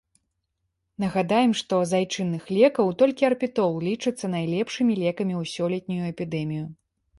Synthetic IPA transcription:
nɐɣad̪ajɛmʂt̪ɔzajt͡ʂɨnːɨxlʲɛkɐwt̪ɔlʲkʲiɐrpʲit̪ɔlˠlʲit͡ʂɨt̪sːɐn̪ajlʲɛpʂɨmʲilʲɛkɐmʲiuwsʲɔlʲɛt̪̚ʲnʲujuɛpʲid̪ɛmʲiju

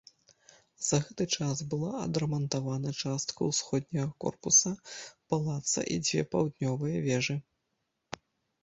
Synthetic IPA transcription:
zɐɣɛt̪ɨt͡ʂasbɨlˠaɐ̰d̪ɾɐmɐnt̪avanɐt͡ʂast̪kɐwsxɔd̪̚ʲnʲɐɣɐkɔ̰rpusɐpalˠat̪sɐ̰ʔḭd͡zʲvʲɛ̰pawd̪nʲɔvɨjɐvʲɛʐɨ

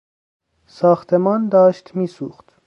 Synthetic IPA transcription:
sɑχt̪ʰɛmɑnd̪ɑʃt̪ʰmisuχt̪

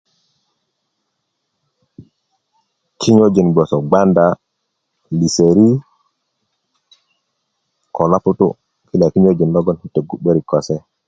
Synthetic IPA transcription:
kʰiɲod͡ʒinbɔsɔɡanda | liseɾi | kɔlaputṵ | kilakiɲod͡ʒinlɔɡɔnhitːɛɡuɓːeɾikɔsɛ

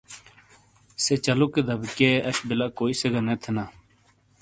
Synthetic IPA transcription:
seːt͡ʃəluːked̪əbkeːʔəʃbɪlaːkoːiːseɡaːnẽːt̪ʰənaː

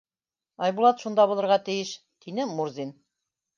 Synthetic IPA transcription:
ɑjbulˠɑt̪ʃund̪ɑβulˠɤ̆ɾʁɑt̪ɘ̆jɘʃ | t̪inɘmuɾzʲin

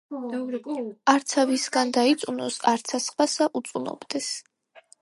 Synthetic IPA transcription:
aɾt̪sʰavisɡand̪ait̪sʼunɔsaɾt̪sʰasχwasaʔut̪sʼunɔ̰bd̪ɛs

